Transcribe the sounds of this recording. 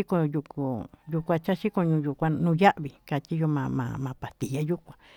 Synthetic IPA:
i˦ko˧ju˧ku˨ju˧kʷã˧t͡ʃa˦ʃi˦ko˧ɲũ˧ju˧kʷã˧nũ˧ja˦ʔβi˨ka˧t͡ʃ̪i˦jo˧mã˧mã̰˧mã˧pa˨t̪i˨ja˦ju˦kʷã˧

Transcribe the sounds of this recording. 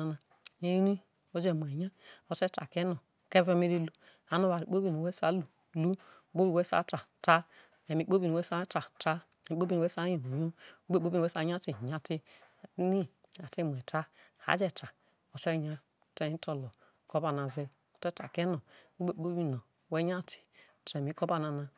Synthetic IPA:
a˨na˨ | e˦jni˦ | o˦d͡ʒe˦˨mʷ˨e˨ɲa˦o˨tɛ˦ta̰˨kɛ˦no˨ke˦ve˦me˦ɾi˦lu˦ | a˨˦no˦ba˨ɾi˨˦k͡po˦bi˦˨no˨we˦sa˦lu˨ | lu˦˨˦ | k͡po˦bi˦˨we˦sa̰˨˦ta˨ta˦ | e˨mi˨k͡po˦bi˨no˨we˦sa˦ta˨ta˦ | i˨˦k͡po˦bi˦˨no˨we˦sa˦jo˨no˨ɲo˦ɡ͡be˦k͡po˦bi˦n˨ɛ˦sa˨˦ɲa˦ti˨ɲa˨ti˦˨˦ | ni˦ | a˨ti˦˨mʷ˨ɛ˨ta˦ha̰˨˦d͡ʒɛ˨ta˨ | o˨te˦ɲa˦˨ | te˦to˨lo˨ | ko˦ba˨na˨ze˦ | o˨tɛ˦ta̰˨kɛ˦no˨˦o˦be˦k͡po˦bi˦no˨we˦ɲa˦˨ti̥˨ | te˨mi˨˦ko˦ba˦na˨na˨

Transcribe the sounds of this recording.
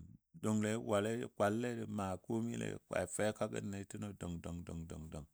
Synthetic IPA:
do˨ŋle˦wa˨le˦˨kʷa˨lːe˦di˨ma˨ku˦mi˦lḛ˨˦ka̰˨i˨fe˦ka˦ɡə̰˦nːe˨˦ti˦no˨do˨ŋdo˨ŋdo˨ŋdo̰˨ŋdo˨ŋ

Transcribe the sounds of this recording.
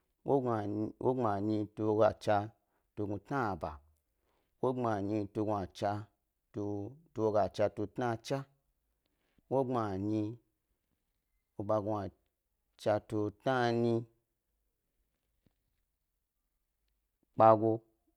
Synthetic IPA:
wo˦˨wʔo˦ŋ͡ma˨ɲĩ˧to˧ɡa˨t͡ʃa˧ | to˧ɡu˧tna˦˨ba̰˨ | wo˦ŋ͡ma˨ɲi˧to˧ɡu˧a˨t͡ʃa˧ | to˧to˧o˧ɡa˨t͡ʃa˧to˧tna˦t͡ʃa˦ | wo˦ŋ͡ma˨ɲi˧ | o˧ba˧ɡu˧a˨ | t͡ʃa˧to˧tna˦ni˧ | k͡pa˧ɡo˧

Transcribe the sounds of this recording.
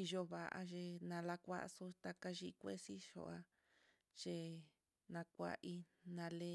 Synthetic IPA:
i˧ʒo˧βa˨ʔa̰˧ʒe˧nã˧la˧kʷa̰˦˧so˧t̪a˧ka˧ʒi˧kʷe˦si˦ʃo̰˧˨a˧ | t͡ʃe˧ | nã˧kʷa̰˧ʔi˧nã˧le˧˦

